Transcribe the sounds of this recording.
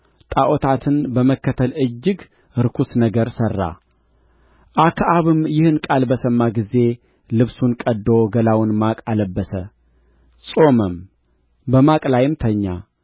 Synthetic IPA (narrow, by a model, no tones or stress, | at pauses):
t̪ʼaʔot̪ʰat̪ʰɨnbəməkːət̪ʰəlɨd͡ʒːɪɡ | ɨɾkʰusnəɡəɾsərːa̰ | ʔakʰʔaβɨmjɪhɨnkʼalbəsəmːaɡize̞ | lɨβsunkʼəd̪ːoɡəlawnmakʼaləbːəsə | sʼo̞məm | bəmakʼlajɪmt̪ʰəɲːa̰